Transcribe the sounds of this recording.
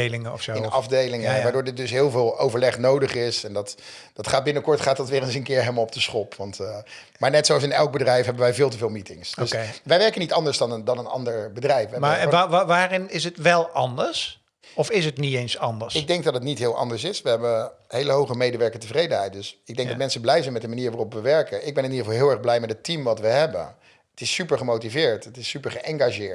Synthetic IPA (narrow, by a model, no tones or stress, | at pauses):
lɪŋəɔfonɑfdejlɪŋəʋaːɹdoːɹdɪt̚dɵsɦɪːlˠvɪːlˠowvəɹlɛχnowdəχɪsɛndɑt | d̥ɑtχaːd̚bɪnəkɔɹtχaːtɑtʋɪːrənsənkɪːɹɦɛməlˠɔb̚dəsχɔpʰʋɑnt | maːɹnɛtsowɑs̬ɪnɛlˠɡ̚bədrɛjfɦɛbənʋɛjvɪːlˠt̬əvɪːlˠmitɪŋsdøsʋɛjʋɛɹkənitɑndəɹzdɑndɑnənɑ̰ndəɹbədrɛjfʋəɦɛmaʋaːrɪnɪsətʋɛlˠʔɑndəɹs | ɔfɪsətnitejnsɑndəɹsɪɡɡdɛŋɡ̚dɑtətnitɦɪːlˠʔɑ̰ndəɹsɪsʋəɦɛbəɦejləɦowχəmejdəʋɛɹkəntəvrejdənɦɛjt̚dɵsɪɡdɛŋkdɑtmɛnsəblɛjzɛjnmɛtdəmaniːɹʋarɔpʋəʋɛɹkənʔɪɡ̚bɛnɪnidəɑlˠɦɪːlˠɛɹχblɛjmɛtətimʋɑtʋəɦɛbə̰n | ətɪsypəɹχəmowtivɪːɹtətɪsypəɹχəʔɛŋɡaʒɪːɹt